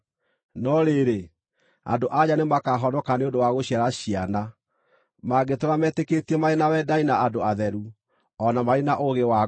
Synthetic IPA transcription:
nɔɾeɾe | a̰ndoʔaɲanemakaɦɔnɔkaneondowaɣoɕiaɾaɕiana | maɡetoɾamɛtekeːtiɛmaenawɛdainaːdoaðɛɾu | ɔnamaenaʔoɣewa

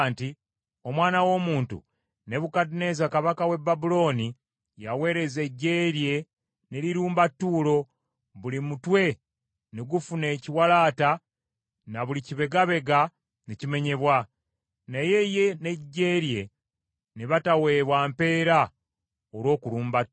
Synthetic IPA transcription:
nti | o̞mwaːnawo̞ːmuːntṵ | ne̞βukadine̞zakaβakawe̞bːabulo̞ːni | jawe̞ːɾe̞ze̞ɟːeɾje̞ | ne̞ɾiɾuːmbatːuːlo̞ | βulimutwe̞ | neɡufune̞ːciwalaːta | naβuliciβe̞ɡaβe̞ɡa | necime̞ɲe̞βwa | naje̞je̞ne̞ɟːe̞ːɾje̞ | neβatawe̞βwaːmpe̞ːɾa | olwo̞ːkuluːmba

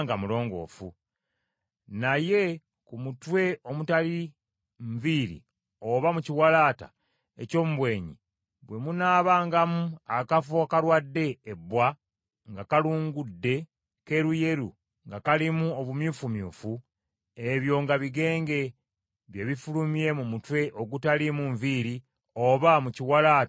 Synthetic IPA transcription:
ŋɡamulo̞ːŋɡo̞̰ːfu | naje̞ | kumutwe̞ʔo̞mutali | ɱviɾḭ | oβamuciwalaːta̰ | ḛco̞ːmuβwe̞ːɲḭ | βwe̞munaːβaːŋɡamuakafokaɾwadːe̞ːbːwa | ŋɡakaluːŋɡudːe̞ | ke̞ɾuje̞ɾṵ | ŋɡakalimuo̞βumjuːfumjṵːfu | e̞βjo̞ːŋɡaβiɡe̞ːŋɡe̞ | βje̞βifulumie̞mumutwe̞ʔo̞ɡutalimuɱviːɾi | oβamuciwalaːt

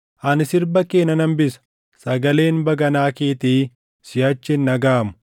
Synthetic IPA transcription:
ʔɐnɪsɪɾbɐkeːnɐnɐmbɪsɐ̥ | sɐɡɐle̞ːnbɐɡɐnaːkeːt̪iː | sɪjɐt͡ʃːɪnːɐɡaːmʊ̥

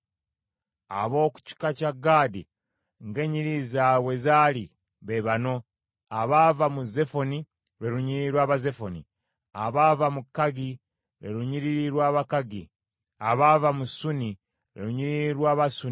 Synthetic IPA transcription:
a̰βo̞ːku̥ci̥kacaɡaːdi | ŋɡe̞ɲiɾizawe̞zaːli | βeβano̞ | aβavamuze̞fo̞ni | ɾeɾuɲiɾiɾwaːβaze̞fonḭ | aβavamukːaɡi | ɾḛɾuɲiɾiɾiɾwaːβakaɡi | aβavamusuni | ɾḛɾuɲiɾiɾwaːβasu

